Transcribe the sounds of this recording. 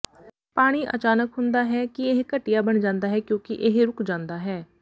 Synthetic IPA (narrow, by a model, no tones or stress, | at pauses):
paːɽ̃iːʔə̰t͡ʃaːnəkɦʊnd̪aːɦɛːkɪɪɦkəʈːɪjaːbəɳd͡ʒãːnd̪aːɦɛːkjõːkɪʔɪɦɾʊkd͡ʒãːnd̪aːɦɛː